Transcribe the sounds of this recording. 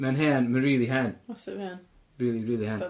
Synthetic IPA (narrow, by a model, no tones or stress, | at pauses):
mɛnɦɛnməɹiːlˠiɦɛnsɛn | ɹiːlˠiɹiːlˠihɛn